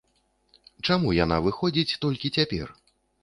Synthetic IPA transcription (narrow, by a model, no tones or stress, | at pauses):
t͡ʂamujan̪a̰vɨxɔd͡zʲit͡sʲt̪ɔlʲkʲit͡sʲapʲɛ̰r